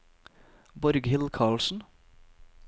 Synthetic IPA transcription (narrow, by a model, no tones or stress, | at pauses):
bɔɾɡhɪlkʰɑːɭsn̩